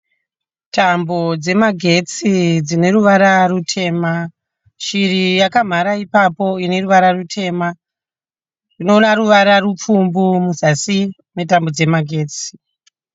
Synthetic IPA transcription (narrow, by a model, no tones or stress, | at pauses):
tambo̞d͡ze̞maɡʱe̞t͡sid͡zine̞ɾuʋaɾarutʰe̞ːma | ʃirijakam̤aɾaipapo̞ine̞ruʋaɾarutʰe̞ːma | rinonaɾuʋaɾarup͡fumbumuzasi | me̞tambo̞d͡ze̞maɡʱe̞ːt͡si̥